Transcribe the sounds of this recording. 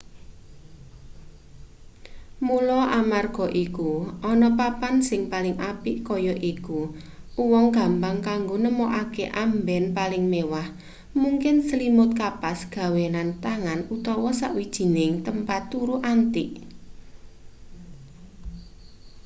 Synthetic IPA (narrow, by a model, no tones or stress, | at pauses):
mulɔʔamarɡ̥ɔ̤ʔikuʔɔnɔpapansɪŋpalɪŋʔapiʔkɔjɔʔiku | uwɔŋɡ̥a̤mpaŋkaŋɡonəmɔʔakḛʔambɛnpalɪŋmewah | muŋkɪnsəlimʊt̪̚kapasɡ̥ä̤wenant̪aŋanut̪ɔwɔsaʔwid̥ʒ̥i̤nɪŋt̪əmpat̪ːuɾuʔant̪iʔ